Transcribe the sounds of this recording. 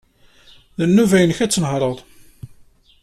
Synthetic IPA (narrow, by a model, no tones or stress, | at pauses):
ðənːuvæjənçæt͡sːənhɾˤəðˤ